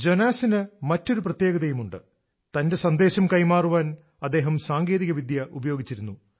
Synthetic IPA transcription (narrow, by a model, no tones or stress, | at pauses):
d͡ʑonaːsinɨmɐtːo̞ɾuprɐt̪je̞ːɡɐðɐjumuɳɖɨ | t̪ɐnde̞sɐnd̪e̞ːɕɐmkɐjmaːruʋaːn | ɐd̪ːe̞ːɦɐmsaːŋɡe̞ːðiɣɐʋid̪jɐʔubɐjo̞ːɡit͡ɕːiɾunːu